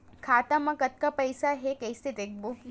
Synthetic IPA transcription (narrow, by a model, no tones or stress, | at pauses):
kʰaːt̪ɐmɐkɐt̪̚kɐpɐjsaɦekɐjst̪it̪ek̚bu